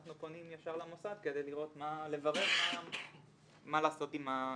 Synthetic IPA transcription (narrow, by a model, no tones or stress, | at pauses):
aχnupo̞nimjaʃaʁlamosad̪ke̞d̪e̞jliʁo̞t̪male̞vaʁe̞ʁʃam | malaːso̞tima